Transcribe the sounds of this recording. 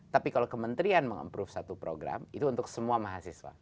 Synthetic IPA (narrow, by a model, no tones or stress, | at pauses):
t̪apikalakəmənt̪ɾianməŋə̰mpɾʊfsat̪upɾoɡɾa̰mit̪uːnt̪ʊksəmuamaɦasiswa̰